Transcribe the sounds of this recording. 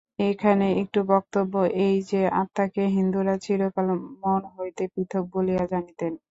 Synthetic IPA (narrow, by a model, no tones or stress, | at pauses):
ekʰaneek̚ʈubɔk̚t̪obːoʔejd͡ʑeat̪ːakeɦind̪uɾat͡ɕʰilokalomonɦojt̪epɾit̪ʰok̚bolijad͡ʑanit̪en